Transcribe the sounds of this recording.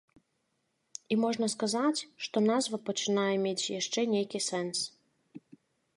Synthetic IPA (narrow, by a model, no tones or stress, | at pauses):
imɔʐnɐskazat͡sʲʃt̪ɔnazvɐpət͡ʃinajɛmʲet͡sʲjaʃt͡ʂɛnʲejkʲisɛns